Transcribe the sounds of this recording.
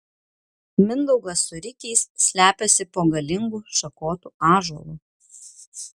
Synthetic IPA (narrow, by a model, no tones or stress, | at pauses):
mʲɪnd̪ɔʊɡɐsʊɾʲɪkʲɛɪsːʲlʲæːpʲɛsʲɪpoːɡɐlʲɪŋɡuːʃɐkoːt̪uːɑːʒɔlˠuː